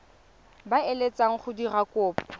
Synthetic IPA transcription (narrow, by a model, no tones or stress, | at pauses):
baelet͡sʼaŋ̩χʊdirakʼʊːpʼɔ